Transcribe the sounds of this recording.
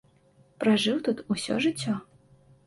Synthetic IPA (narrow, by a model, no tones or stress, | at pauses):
pɾaʐɨwt̪ut̪usʲɔ̰ʐɨt͡sʲːɔ